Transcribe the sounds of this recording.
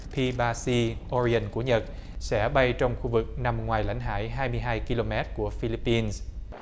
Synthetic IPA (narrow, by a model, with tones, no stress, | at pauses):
pʰi˧ɓaː˧si˧ʔɔ˧ɹi˧ə˨˩nkṵ˧˩˦ɲə˨˩t̚sɛ̰˧˥ɓa˧jt͡ɕɔ˧wŋ͡mxu˧vɨ˨˩k̚na˨˩mŋwaː˨˩jla̰˧˥jŋ̟ɦa̰ː˧˥jɦaː˧jmɨ˧əjɦaː˧jki˧lo˧mɛ˦˥t̚ku˧˩əfi˧li˦˥pːi˧ns